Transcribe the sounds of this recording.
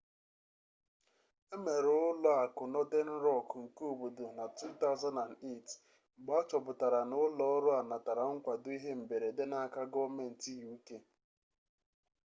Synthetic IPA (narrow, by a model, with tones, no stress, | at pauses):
e˦me˨ɾʊ˦lɔ˦a˨kʊ˨nɔ˦de˦n̩˦ɾɔ˦˨kŋ̩˨ku˦˨bu˨dʊ˨na˨tu˦t̪a˦ʊ˦za˦na˨ne˦˨t̩˨ | ɡ͡ba˦t͡ʃɔ˨bʊ˨ta˨ɾa˨nʊ˦lɔ˦ɔ˦ɾʊ˦a˨na˨ta˨ɾa˨ŋ̩˦kʷa˨dʊ˦i˦ɦe˦m̩˨be˨ɾe˨de˦na˦ka˦ɡɔ˦me˨n̩˨ti˦ju˦ke˦